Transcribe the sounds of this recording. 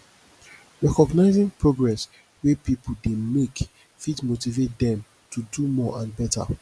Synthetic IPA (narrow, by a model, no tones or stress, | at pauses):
ɹɛkɔɡnaɪzĩŋpɹoɡɹɛs | wepipol̩demek | fitmotivet̚dɛ̃m | tʰudumɔʔãnbɛta̰